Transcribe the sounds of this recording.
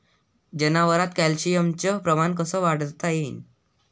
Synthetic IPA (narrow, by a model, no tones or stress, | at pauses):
d͡ʑənaʋəɾat̪kælɕijəmt͡ɕəpɾəmankəsəʋaɽt̪ajen